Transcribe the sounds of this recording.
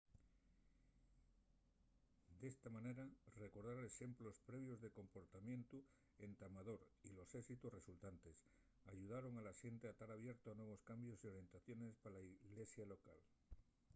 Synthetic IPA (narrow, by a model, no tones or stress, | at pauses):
d̪e̞st̪amãne̞ɾare̞ko̞ɾðaɾeʃe̞mplo̞spɾe̞β̞jo̞zðe̞ko̞mpo̞ɾt̪amjẽ̞nt̪u | ent̪amaðo̞ɾilo̞sesit̪usre̞sult̪ant̪e̞s | aʝuð̞aɾo̞ŋalaʃe̞nt̪eat̪aɾaβ̞je̞ɾt̪oanwe̞β̞o̞skambjo̞sio̞ɾje̞nt̪aθjo̞ne̞spalaiɣle̞sjalo̞ka̰l